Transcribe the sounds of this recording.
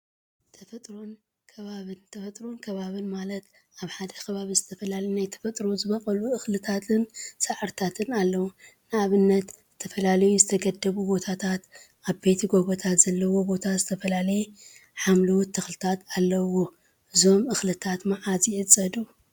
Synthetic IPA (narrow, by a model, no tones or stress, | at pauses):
t̪ʰɐfɐt̪ʼɾon | kʰɐβaβɨnt̪ʰɐfɐt̪ʼɾonkʰɐβaβɨnmalɐt̪ | aβħad̪ɐkʰɐβaβizɨt̪ʰɐfɐlalɐjunajt̪ʰɐ̥fɐt̪ʼɾozɨβɐkʼɐluɨxlɨt̪ʰat̪ʰɨnsɐʕɨɾt̪ʰat̪ʰɨnalːɐwunɨaβɨnːɐt̪zɨt̪ʰɐfɐlalɐjuzɨt̪ʰɐɡɐd̪ːɐβubo̞t̪ʰat̪ʰat̪ | ʔaβbe̞t̪ʰiɡo̞βot̪ʰat̪z̥ɐlːɐwo̞bo̞t̪ʰazɨt̪ʰɐfɐlalɐje | ħamlɐwt̪ʰːɨxlɨt̪ʰat̪alːɐwo̞ | ʔɨzo̞mɨxlɨt̪ʰat̪maʕazjɪʔɨt͡sʼːɐd̪u